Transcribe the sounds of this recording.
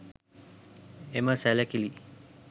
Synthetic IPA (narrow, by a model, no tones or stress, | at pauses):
eməsælækili